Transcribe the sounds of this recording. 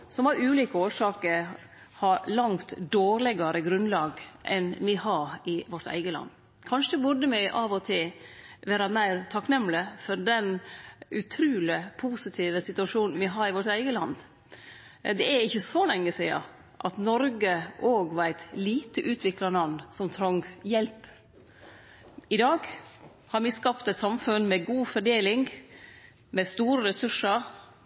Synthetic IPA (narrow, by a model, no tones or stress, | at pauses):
sɔmɑɾʉːliːkəoːʂɑːkəɾ | hɑɾlɑŋt̪d̪oːɾlɪɡɑɾəɡɾʉnlɑːɡʔɛ̰nʋɪhɑɾɪʋɔʈ̪æ̰ɪɡəlɑ̰nː | kʰɑnʂəɛbʊɖəmæɪʔɑːʋɔt̪ʰɪʋeːɾɑmæɪɾt̪ʰɑknɛmːləfɔɾd̪ɛnʉt̪ʰɾʉːləpʰuːsɪt̪ʰiːʋəsɪt̪ʉɑʂuːnn̩ʋɪɦɑɾɪʋɔʈt̪æɪɡəlɑ̰nd̪ | d̪ɛæɾɪçːəsɔlɛŋːəsiːɑ̰ | ʔɑt̪nɔɾɡəʔoːɡʋæɪt̪liːt̪əʔʉːt̪ʰʋɪklɑɾnɑnsɔmt̪ʰɾɔŋɡjɛlp | ɪd̪ɑːɡ | hɑɾmɪskɑpt̪ɛɪt̪sɑmfʉnmɛɡuːfɔɖeːlɪŋ | mɛst̪uːɾəɾɛsʉʂəɾ